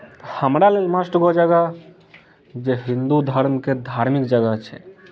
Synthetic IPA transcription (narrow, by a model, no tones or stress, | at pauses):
hamɾalelmasʈoɡod͡ʒaɡa | d͡ʒeɦind̪ud̪ʱaɾmkeɾd̪ʱaɾmikd͡ʒaɡat͡ʃʰḛ